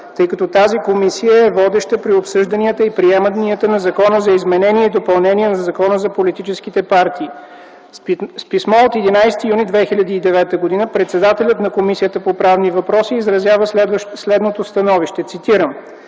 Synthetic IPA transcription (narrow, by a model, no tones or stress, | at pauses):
t̪ɤjkɐt̪ɔt̪azikomisijəɛvɔd̪ɛʃt̪əpɾiopsɤʒd̪əniət̪əipɾiɛməniət̪ənɐzɐkɔnəzɐizmɛnɛniɛid̪opɐlˠnɛniɛnɐɐzɐkɔnəzɐpolit̪it͡ʃɛskit̪ɛpaɾt̪iː | spismɔot̪ɛd̪inajst̪ijunid̪vɛxilʲɐd̪iːd̪ɛvɛt̪əɡod̪inəpɾɛt̪sɛd̪at̪ɛlʲət̪nɐkomisijət̪əpopɾavnivɐpɾɔsiːzɾɐzjavəɛd̪vʃslɛd̪not̪ost̪ɐnɔviʃt̪ɛt̪sit̪iɾəm